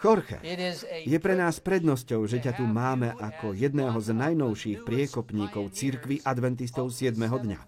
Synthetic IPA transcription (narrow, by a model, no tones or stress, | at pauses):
xɔɾxɛ̰jɛpɾɛnaːspɾɛd̪nɔscɔʊʒɛcat̪umaːmɛʔakɔjɛd̪nɛːɦɔznajnɔʊʃiːxpɾɪɛkɔpɲiːkɔʊt͡siɾkʋiʔad̪ʋɛnt̪̬is̬t̪ɔʊsɪɛd̪mɛɦɔd̪ɲa̰